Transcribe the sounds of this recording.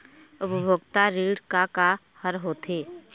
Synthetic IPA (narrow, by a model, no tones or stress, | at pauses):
ʊpəbʱoːɡt̪aɾiːɽkaka | həɾɦoːt̪ʰeː